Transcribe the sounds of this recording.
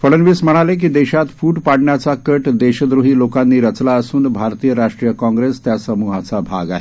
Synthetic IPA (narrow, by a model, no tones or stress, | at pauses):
fəɽənʋiːsm̤əɽ̃alek̬iːd̪ɛɕat̪fuːʈpaɽɳjat͡sakəʈd̪eɕəd̪ɾuɦiːlokanːiːɾət͡slaəsuːnbʱaɾt̪iːjəɾaʂʈɾijəkɔ̃ŋɡɾest̪jasəmuɦat͡sabʱa̰ɡa̰ɦe